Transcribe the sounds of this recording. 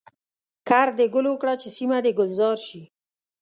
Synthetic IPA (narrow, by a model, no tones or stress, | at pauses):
kaɾd̪eɡʊlowkɽat͡ʃesimad̪eɡʊlzɑɾʃi